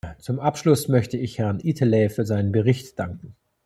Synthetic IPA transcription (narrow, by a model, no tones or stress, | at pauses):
t͡sʊmʔapʃlʊsmœçtəɪçhɛʁnʔiːtʰəlɛːfyːɐzaɪnənbəʁɪçtd̥aŋkŋ̩